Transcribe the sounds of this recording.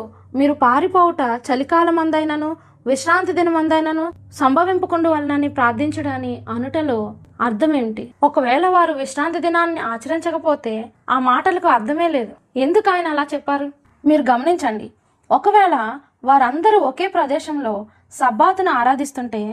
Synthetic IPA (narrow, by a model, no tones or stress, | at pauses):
miːɾupaːɾipoːwuʈɐt͡ʃɐlikaːlɐmɐnd̪ɐjnɐnu | ʋiʃɾaːnt̪id̪inɐmɐnd̪ɐjnɐnusɐmbʱɐʋimpukuɳɖuʋɐlɐnɐnːipɾaːɾd̪ʱiɲt͡ʃɐɽaːniɐnuʈɐloɐɾt̪ʰɐmeɳʈiɔkɐʋɛːɭɐʋaːɾuʋiʃɾaːnt̪id̪inaːnːiaːt͡ʃɐɾiɲt͡ʃɐkɐpoːt̪e̞ː | aːmaːʈɐlɐkuɐɾt̪ʰɐme̞ːle̞ːd̪u | e̞nd̪ukaːjɐnɐɛlaːt͡ʃɛpːaːɾu | miːɾuɡɐmɐniɲt͡ʃɐɳɖḭ | ɔkɐʋɛːɭɐ | ʋaːɾɐnd̪ɐɾuoke̞ːpɾɐd̪ɛːʃɐmlo̞ː | sɐbaːt̪unuaːɾaːd̪ist̪uɳʈe̞ː